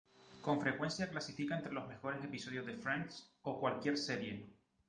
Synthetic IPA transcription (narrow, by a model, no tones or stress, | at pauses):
ko̞ɱfɾe̞kwe̞nsjaklasifikaent̪ɾe̞lo̞zme̞xo̞ɾe̞se̞piso̞ð̞jo̞zðefɾaŋkso̞kwalkje̞ɾse̞ɾje̞